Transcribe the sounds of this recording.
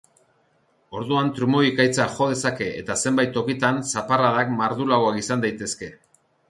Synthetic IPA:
o̞ɾðuant̪ɾumo̞ikajt͡saʝo̞ð̞e̞sake̞ʔḛt̪ase̞mbajt̪ːo̞kit̪ansaparaðakmaɾðulawakisand̪ajt̪e̞ske̞

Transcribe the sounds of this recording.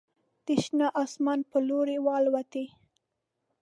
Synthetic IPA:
d̪̥ɪʃnaʔɑsmɑnpəloɾewɑlwat̪e

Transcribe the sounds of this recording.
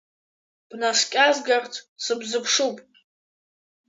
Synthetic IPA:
b̥naskʲʼazɡartʰsɨbzɨpʰʂupʼ

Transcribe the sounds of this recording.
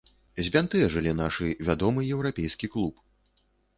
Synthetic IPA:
zʲbʲant̪ɨʐɨlʲinaʂɨvʲad̪ɔmɨjɛwɾapʲɛjskʲiklˠup

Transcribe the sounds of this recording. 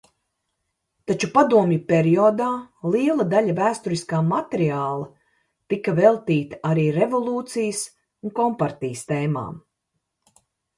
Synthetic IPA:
t̪at͡ʃupad̪uɔmjupʲeɾiɔːd̪aːlˠiɛlˠɐd̪aʎʲɐvæːst̪uɾiskaːmat̪eɾiaːlˠɐ | t̪ikɐvelˠt̪iːt̪ḁaɾiːɾevɔlˠuːt̪sijəs | unkɔmpaɾt̪iːst̪eːma̰ːm

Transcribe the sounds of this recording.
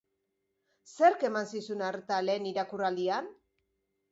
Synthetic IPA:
se̞ɾke̞mansisunaɾt̪ale̞ːniɾakurald̪ian

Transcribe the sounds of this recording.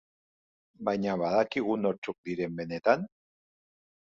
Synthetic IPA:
bajɲaβaðakiɣ̞uno̞ɾt͡ʃuk̚d̪iɾe̞mbe̞ne̞t̪an

